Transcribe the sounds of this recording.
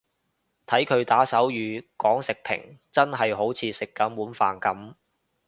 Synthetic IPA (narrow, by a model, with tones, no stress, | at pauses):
t̪ʰɐ˨˥jkʰɵ˨˧ɥt̪aː˨˥sɐ˨˥wjyː˨˧kɔː˨˥ŋsɪ˨k̚pʰɪ̰˨˩ŋt͡sɐ˥nɦɐ˨jɦo˨˥wt͡sʰiː˧sɪ˨kːɐ˨˥mwuː˨˥nfaː˨nkɐ˨˥m